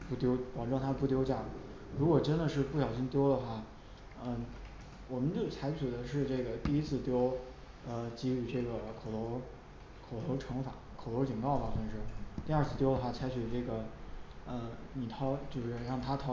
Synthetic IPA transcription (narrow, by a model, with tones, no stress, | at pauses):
pu˥˩t̪jo˥ʊpɑ˨˩ʈ͡ʂo˥˩t̪ʰa˥˧pu˥˩t̪jo˥ʊt͡ɕja˥˩ | ɻu˧˥kwɔ˨˩ʈ͡ʂə˥nd̪ə˨ʂɻ̩˥˧pu˥˩ɕjɑ˨˩ʊɕ̬i˥nt̪jo˥ʊd̪ə˨xwa˥˩ | ə˥˩ | wɔ˨˩mə˦ntə˥˩t͡sʰa˧˥ɪt͡ɕʰy˨˩d̪ə˦ʂɻ̩˥˧ʈ͡ʂɤ˥˩ɡə˩t̪i˥˩i˥t͡sʰɹ̩˥˩t̪jo˥ʊ | ə˧t͡ɕi˥y˥˧˩ʈ͡ʂɤ˥˩ɡə˩kʰo˨˩ʊt̪ʰo˧˥ʊ | kʰo˨˩ʊt̪ʰo˧˥ʊʈ͡ʂʰɤ˧˥ŋfa̰˨˧˩kʰo˨˩ʊtʰo˧˥t͡ɕi˨˩ŋkɑ˥˩ʊbɐ˨˩xa˥˩nʂɻ̩˥˩t̪i˞˧˥˧t͡sʰɹ̩˥˩t̪jo˥ə˧xwa˥˩t͡sʰa˧˥ɪt͡ɕʰy˨˩ʈ͡ʂɤ˥˩ɡə˩ | ə˥˧ni˨˩t̪ʰɑ˥ʊt͡ɕjo˥˧ʊʂɻ̩˥˧ɻɑ˥˩ŋt̪ʰa˥t̪ʰɑ˥